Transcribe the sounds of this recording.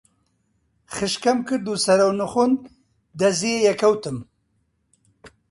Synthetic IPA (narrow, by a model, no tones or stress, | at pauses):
χɨʃkɐmkɨɾd̪usɐɾɐwnɨxun | d̪ɐzeːjɛkʰɐwt̪ɨm